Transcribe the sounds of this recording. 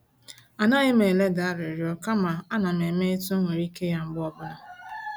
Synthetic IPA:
a˨na˦ɣɪ˦me˨le˦da˨a˦ɾɪ˨ɾo˦ka˦ma˨a˦na˨m˨e˨me˦e˦tu˦ŋʷe˨ɾi˦ke˦ja˦ŋ͡m̩˦ɡ͡bɔ˦bʊ˦ɾʊ˦

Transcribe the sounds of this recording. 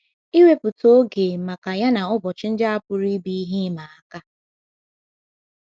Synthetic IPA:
i˦we˦pʊ˨to˦ɡe˨ma˨ka˨ja˦na˨ɔ˦bɔ˨t͡ʃɪ˦n̩˦d͡ʒa˦a˦pʊ˨ɾi˦bi˦i˦ɦi˦ma˨a˨ka˦

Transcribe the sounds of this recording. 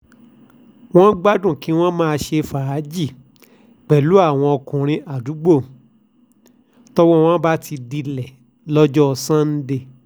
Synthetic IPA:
w̃ɔ̃˦ɡ͡ba˦dũ˦˨ki˨˦w̃ɔ̃˦mã˦˧ʃe˧fa˨ɾa˨˦d͡ʒi˦˨ | k͡pɛ˨lu˨˦a˦˨w̃ɔ̃˧ɔ˧kũ˨ɾ̃ĩ˧ʔa˨du˨˦ɡ͡bo˦˨ | tɔ˦wɔ̃˦w̃ɔ̃˦ba˦tʰi˧di˧lɛ˨ | lɔ˦d͡ʒɔ˦˧sã˦n̩˦de˧

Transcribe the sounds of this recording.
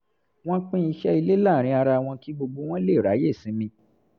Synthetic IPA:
w̃ɔ̃˦k͡pĩ˦i˧ʃɛ˦i˧le˦la˦˨ɾ̃ĩ˧a˧ɾa˧w̃ɔ̃˧ki˦ɡ͡bo˧ɡ͡bo˧w̃ɔ̃˦le˦˨ɾa˨˦je˦˨sĩ˨˦mĩ˧

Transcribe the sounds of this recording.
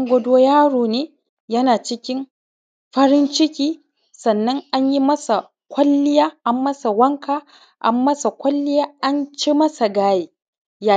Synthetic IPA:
ŋɡʷɐ˦doː˦jaː˦ɽoː˨neː˦ | jɐ˦naː˨t͡ʃɪ˦kʲɪ˦m | ɸɐ˦ɾɪ˦nt͡ʃɪ˦kʲiː˦ | sɐ˨nːɐ˦ŋʔa˦ɲji˦mɐ˦sa˨ | kʷɐ˦lːɪ˦jaː˦ʔa˦mːɐ˦sa˨wɐ˦ŋkʰaː˨ | ʔa̰˨mːɐ˦sa˨kʷɐ˦lːɪ˦jaː˦ʔa˦nt͡ʃe˦mɐ˦sa˨ɡaː˦jeː˦ | ja˨

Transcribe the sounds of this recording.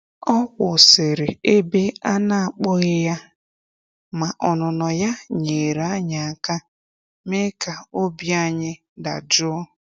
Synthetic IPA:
ɔ˦kʷʊ˨sɪ˨ɾɪ˨e˦be˦a˦na˨a˨k͡pɔ˦ɣɪ˦ja˦ | ma˨ʔɔ˨nʊ˨nɔ˨ja˦ɲe˨ɾa˦ɲa˨a˨ka˦ | me˦ka˨o˦bi˦a˦ɲɪ˦ | da̰˨d͡ʒʊ˦

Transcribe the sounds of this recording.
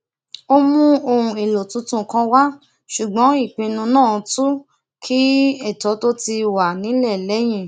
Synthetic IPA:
o˦mũ˦o˧hũ˧e˨lo˨tũ˨˧tũ˧kã˧wa˦ | ʃu˨ɡ͡bɔ̃˨˦i˦˨k͡pĩ˧nũ˧nãː˦˨˧tu˦ | kʰi˦ɛ˦˨tɔ˨˦to˦ti˧wa˨nĩ˨˦lɛ˦˨lɛ˨˦j̃ĩ˦˨

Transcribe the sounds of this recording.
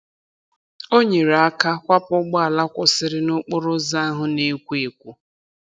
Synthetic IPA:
o˦ɲe˨ɾa˦ka˦kʷa˦pʊ˦ɡ͡bɔ˦a˨la˦kʷʊ˨sɪ˦ɾɪ˦nʊ˦k͡pʊ˦ɾʊ˦za˦ɦʊ˦ne˦kʷu˦e˨kʷu˦

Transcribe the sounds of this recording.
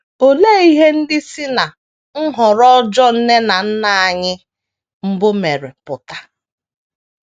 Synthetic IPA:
o˨leː˦i˦ɦe˦n̩˦dɪ˦si˦na˨ | ŋ̩˦ɦɔ˨ɾɔ˦d͡ʒɔ˦n̩˦ne˦na˨n̩˦na˦a˨ɲɪ˦ | m̩˦bʊ˦me˨ɾe˨pʊ˨ta˨

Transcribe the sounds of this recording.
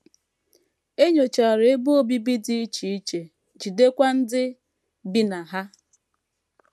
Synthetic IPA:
e˦ɲo˨t͡ʃa˨ɾe˨˦bʊ˦o˦˨bi˦bi˦di˦i˦t͡ʃi˨i˦t͡ʃe˨ | d͡ʒi˨de˦kʷa˦n̩˦dɪ˦ | bi˦na˨ɦa˦

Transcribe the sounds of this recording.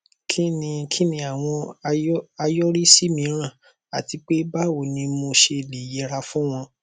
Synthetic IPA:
kʰi˦nĩ˧kʰi˦nĩ˧˦a˨w̃ɔ̃˧ | a˧jɔ˦ɾi˦si˦mĩ˨˧˦ɾ̃ã˦˨ | a̰˨ti˧k͡pe˦ba˦wo˨nĩ˧mo˧ʃe˧˨le˨jɛ˧˦ɾa˧fũ˦w̃ɔ̃˧

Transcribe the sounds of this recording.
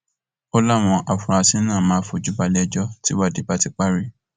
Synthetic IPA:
o˦la˦˨w̃ɔ̃˧ʔa˨fũ˧ɾ̃ã˧sĩ˦nãː˦˨mãː˦fo˧˨d͡ʒu˦ba˧lɛ˦d͡ʒɔ˦ti˦wa˦˨di˨˦ba˦˧ti˧k͡pa˦ɾi˦˨

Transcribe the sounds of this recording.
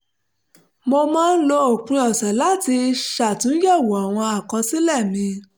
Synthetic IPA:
mo˧mãː˦˧n̩˦lo˧o˨k͡pĩ˨˧ɔ˨sɛ˨la˨˦ti˧ʃa˨tũ˨˦jɛ˦˨wo˨a˨w̃ɔ̃˧a˨kɔ̃˧si˦lɛ˦˨mĩ˧

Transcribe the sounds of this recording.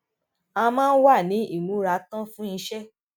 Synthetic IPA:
ã˧mãː˦˧n̩˦wa˦˨nĩ˨˦i˦˨nũ˨˦ɾa˧˦tã˦fũ˦ĩ˧ʃɛ˦

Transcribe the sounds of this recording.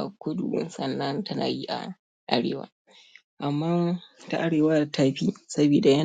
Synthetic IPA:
a˨kʷʊ˦dṵ˨wʊ̰˦nsɐ˨nːɐ˦ntɐ˦na̰ː˨ji˦ʔa̰˨ | ʔa̰˦ɽḛː˨wa̰ː˦ | ʔa˨mːaː˦ta˦ʔa˦ɽeː˨wa˦tʰaː˦ɸiː˦sɐ˦biː˨da˨jɐ˦

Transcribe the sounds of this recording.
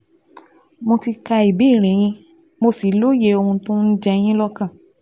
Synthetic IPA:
mo˧ti˧ka˧i˨bi˨˦˨ɾ̃ĩ˨˦j̃ĩ˧ | mo˧si˨˦lo˦je˧˦o˧hũ˧tõ˦n̩˦d͡ʒɛ˧j̃ĩ˦lɔ˦kã˦˨

